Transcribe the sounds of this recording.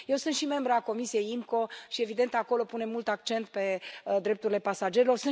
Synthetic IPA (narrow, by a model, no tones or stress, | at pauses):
je̞wsɨnt̪ʃime̞mbɾako̞misije̞jimko̞ʃie̞vid̪e̞nt̪ako̞lo̞pune̞mult̪ak̚t͡ʃe̞nt̪pe̞d̪ɾep̚t̪uɾile̞pasad͡ʒe̞ɾelo̞rsɨn